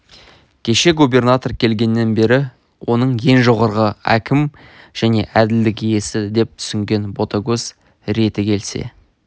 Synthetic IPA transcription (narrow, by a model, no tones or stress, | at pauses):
kʲʰe̞ʃe̞ɡube̞rnat̪o̞rkʲʰe̞lɡʲe̞nːe̞nbe̞ɾɪ | wo̞nəɴje̞nʒoʁɑɾʁəæ̰kʲɪm | ʒ̥æne̞̰ʔæd̪ɪld̪ɪkije̞sɪd̪e̞p̚t̪ʰʏ̥sɪŋɡʲe̞nbo̞t̪aɡʲɵz | ɾe̞t̪ɪkʲʰe̞lse̞̰